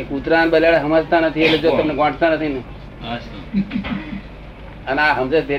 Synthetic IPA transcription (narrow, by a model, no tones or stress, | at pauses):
ekut̪ɾanbəljaɽaɦəmad͡zt̪anət̪ʰieled͡ʒot̪əmneɡãʈʰt̪anət̪ʰine | ənaɦəmsed̪ʱe